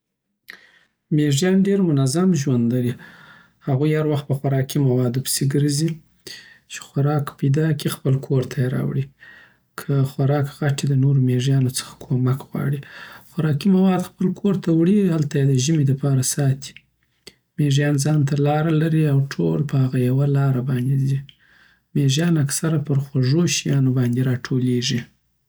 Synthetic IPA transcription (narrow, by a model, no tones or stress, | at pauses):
meʐjɑnɖeɾmʊnazamʒwand̪laɾi | haɣujhaɾwaxt̪̚pəxaɾɑkimawɑd̪opə̥seɡəɾzi | t͡ʃe̥xwaɾɑkpajd̪ɑkixpəlkʰoɾt̪ʰajeɾɑ̰wɽi | kʰəxwaɾɑkɣaʈid̪ənoɾomeʐjɑnot͡sə̥xḁkʰomakɣwɑ̰ɽixwaɾɑkimawɑd̪xpəlkʰoɾt̪ʰawɽihalt̪ajed̪əʒəmed̪əpɑɾasɑt̪ʰi̥ | meʐjɑnzɑnt̪alɑɾalaɾiawʈʰolpəhaɣajawalɑɾabɑnd̪ed̪i | meʐjɑnaksaɾapəɾxwaʐoʃijɑnobɑnd̪eɾɑʈʰoleʐi